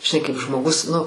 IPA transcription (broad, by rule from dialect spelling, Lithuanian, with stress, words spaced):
ʒʲɪˈnɐɪ kɐɪp ʒmoːˈɡʊs nʊ